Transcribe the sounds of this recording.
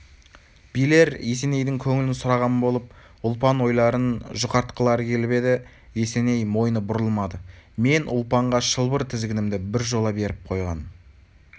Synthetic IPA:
bijle̞ɾe̞se̞ne̞jd̪ɪŋkʲʰɵŋɪlɪnsʊɾɑʁɑnbo̞lˠəp̚ | ʊlˠpɑnwo̞jlˠɑɾənʒʊqɑɾt̪qəlˠɑɾəkʲʰe̞lbe̞d̪ɪ | je̞se̞ne̞jmo̞jnəbʊɾəlˠmɑd̪əme̞nʔʊ̰lˠpɑɴʁɑʃəlˠbəɾt̪ʰɪzɡʲɪnɪmd̪ɪbɪɾʒo̞lˠɑbe̞ɾɪp̚qʰo̞jʁɑ̰n

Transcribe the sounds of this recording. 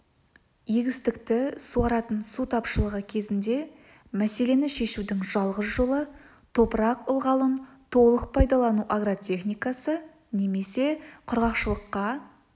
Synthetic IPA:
jeɡʲɪst̪ɪkt̪ɪsuɑɾɑt̪ənsut̪ʰɑpʃəlˠəʁəkʲʰe̞zɪnd̪e̞ | mæse̞le̞nɪʃe̞ʃud̪ɪŋʒɑlˠʁəsʒo̞lˠə | t̪ʰo̞pəɾɑqʊlˠʁɑlˠənt̪ʰo̞lˠəq̚pʰɑjd̪ɑlˠɑnuʔaɡɾot̪ʲʰe̞χnijkasə | ne̞me̞se̞qʰʊɾʁɑqʃəlˠəqːɑ

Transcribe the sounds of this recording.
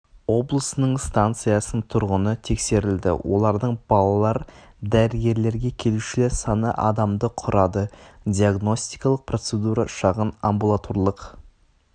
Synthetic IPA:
wo̞blˠəsənəɴst̪ant̪sɨjasənt̪ʰʊɾʁənət̪ʰe̞kse̞ɾɪld̪ɪ̰wʔo̞̰lˠɑɾd̪əɴb̥ɑlˠɑlˠɑɾd̪æɾɪɡʲe̞ɾle̞ɾɡʲe̞kʲʰe̞luʃɪleɾsɑnə̰ʔɑ̰d̪ɑmd̪əqʰʊɾɑd̪əd̪ʲijaɡno̞st̪ijkɑlˠəq̚pro̞t̪se̞d̪uɾɑʃɑʁənambulˠat̪ʰo̞ɾlˠəq

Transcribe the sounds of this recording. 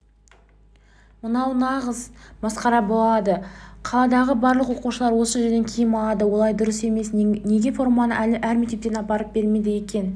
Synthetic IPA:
mənɑwnɑʁəzbɑsqɑɾɑbo̞lˠɑd̪əqʰɑlˠɑd̪ɑʁəbɑɾlˠəqwo̞quʃəlˠɑɾwo̞səʒe̞ɾd̪e̞ŋkʲʰejɪmɑlˠɑd̪əwo̞lˠɑjd̪ʊɾəse̞me̞snne̞ɡʲe̞fo̞rmɑnəʔælɪʔæɾmekt̪e̞p̚t̪e̞nɑpɑɾəp̚be̞ɾme̞d̪ɪje̞kʲe̞n

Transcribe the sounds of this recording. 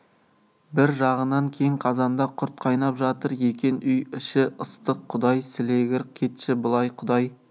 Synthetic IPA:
bɪɾʒɑʁənɑŋkʲʰe̞jɪŋqʰɑzɑnd̪ɑqʰʊɾt̪̚qʰɑjnɑpʒɑt̪əɾje̞kʲe̞nʏjɪʃɪʔəst̪əqʰːʊd̪ɑjsɪle̞ɡʲɪɾkʲʰe̞t̪ʃɪbʊlˠɑjqʰʊd̪ɑj

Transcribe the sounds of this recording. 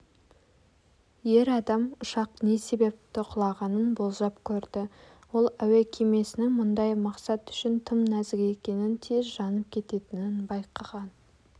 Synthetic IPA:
je̞ɾɑd̪ɑmʊʃɑqne̞se̞be̞p̚t̪ɪqʰʊlˠɑʁɑnənbo̞lˠzɑpkʲʰɵɾd̪ɪ | wo̞lˠæwekʲʰeme̞sɪnɪŋmʊnd̪ɑjmɑqsɑt̪ʏ̥ʃɪnt̪ʰəmnæzɪɡʲeekʲe̞nɪnt̪ʰe̞zʒɑnəp̚kʲʰe̞t̪e̞t̪ɪnɪnbɑjqʰɑʁɑn

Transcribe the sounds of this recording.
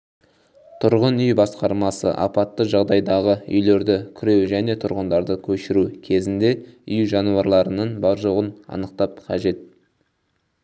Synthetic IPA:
t̪ʰʊɾʁənʏjbɑsqɑɾmɑsə̰ʔɑ̰pɑt̪ːəʒɑʁd̪ɑjd̪ɑʁəʏ̰jle̞ɾd̪ɪkʲʰʏɾe̞wʒæne̞t̪ʰʊɾʁənd̪ɑɾd̪əkʲʰɵʃɪɾukʲʰe̞zɪnd̪e̞ʏjʒɑnuɑɾlˠɑɾənəɴbɑɾʒo̞ʁənɑ̰nəqt̪ɑp̚qʰɑʒe̞t̪̚

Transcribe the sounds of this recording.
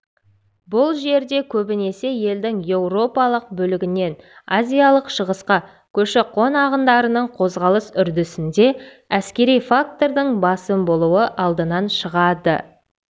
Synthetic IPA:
bʊlˠʒe̞ɾd̪e̞kʲʰɵbɪne̞se̞je̞ld̪ɪŋje̞wro̞pɑlˠəq̚bɵlɪɡʲɪne̞nazʲijalˠəqʃəʁəsqɑ | kʲʰɵʃɪqʰo̞nɑʁənd̪ɑɾənəɴqʰo̞zʁɑlˠəsʏɾd̪ɪsɪnd̪e̞ | æskʲe̞ɾijfak̚t̪o̞ɾd̪əɴbɑsəmbo̞lˠuwəʔɑlˠd̪ənɑnʃəʁɑd̪ə̰

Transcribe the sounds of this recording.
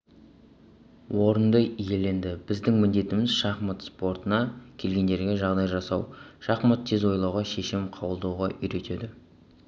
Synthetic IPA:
wʔo̞ɾənd̪əije̞le̞nd̪ɪbɪzd̪ɪŋmɪnd̪e̞t̪ɪmɪzʃɑχmət̪spo̞ɾt̪ənɑkʲʰe̞lɡʲe̞nd̪e̞ɾɡʲe̞ʒɑʁd̪ɑjʒɑsɑwʃɑχmət̪ʰːe̞zwo̞jlˠɑwʁɑʃe̞ʃɪmqʰɑwəlˠd̪ɑwʁɑʔʏjɾe̞t̪e̞d̪ɪ

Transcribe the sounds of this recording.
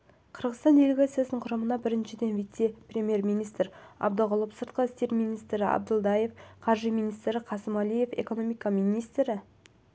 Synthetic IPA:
qʰəɾʁəzt̪ɑnd̪e̞leɡat̪sijasənəɴqʰʊɾɑmənɑbɪɾɪnʃɪd̪e̞nvijt̪se̞prʲe̞mʲije̞ɾmijnijst̪ɾɑ̰b̚d̪ɑʁəlˠəpsəɾt̪̚qəɪst̪e̞ɾmijnijst̪ɾɪɑ̰b̚d̪əlˠd̪ɑje̞fqʰɑɾʒijmijnijst̪ɾɪqʰɑsəmɑlˠije̞fe̞̰ko̞nomijkamijnijst̪ɾɪ

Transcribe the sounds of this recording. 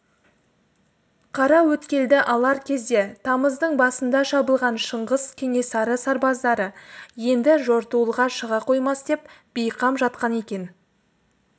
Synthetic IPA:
qʰɑɾɑwɵt̪kʲe̞ld̪ɪʔɑlˠɑɾkʲʰe̞zd̪e̞t̪ʰɑməzd̪əɴbɑsənd̪ɑʃɑbəlˠʁɑnʃəɴʁəzkʲʰe̞ŋe̞sɑɾəsɑɾbɑzd̪ɑɾəje̞nd̪ɪʒo̞ɾt̪uəlˠʁɑʃəʁɑqʰo̞jmɑsd̪̥e̞pb̥ejqʰɑmʒɑt̪̚qɑne̞kʲe̞n

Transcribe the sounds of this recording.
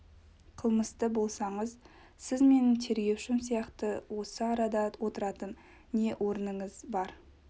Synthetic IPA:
qʰəlˠməst̪əbo̞lˠsɑɴəz | sɪzme̞nt̪ʰe̞ɾɡʲe̞wʃɪms̬ijɑqt̪əwo̞səɑɾɑd̪ɑwo̞t̪əɾɑt̪ənː | e̞ʔwʔo̞ɾənəɴəzbɑɾ

